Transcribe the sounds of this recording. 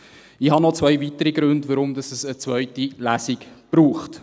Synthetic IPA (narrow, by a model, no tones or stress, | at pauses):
ɪhɑnɔt͡svœjvitəɾiɡɾɵndʋɔɾʊmdɑsəsət͡svœʏtilæsikb̥ɾuːχt